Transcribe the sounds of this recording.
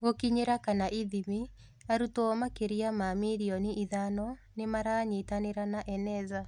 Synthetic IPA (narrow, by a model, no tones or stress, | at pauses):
ɣokiɲeɾakanaʔiðimi | aɾutomakeɾiamamiɾiɔniʔiðanɔnemaɾaːɲitaneɾanaʔɛnɛza